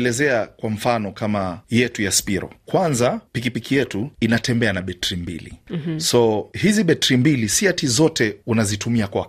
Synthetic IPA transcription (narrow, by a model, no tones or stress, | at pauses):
lɛzɛakwaɱ̩fanɔkamajɛtujaspiɾɔ̰kwanzapikipikijɛtuinatɛmbɛanaɓɛtɾimbḭlḭsɔhiziɓɛtɾimbilisiatizɔtɛunazitumiakwa